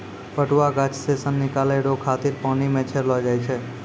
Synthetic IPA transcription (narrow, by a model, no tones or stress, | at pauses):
pəʈuʋaɡat͡ʃsesənːikaleɽokʰat̪iɾpənimɛt͡ʃʰeɾlod͡ʒajt͡ʃʰe